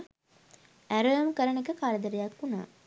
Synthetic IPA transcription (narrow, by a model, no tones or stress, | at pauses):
æɾəjəmkəɾənekəkaɾəd̪əɾəjakːuna̰ː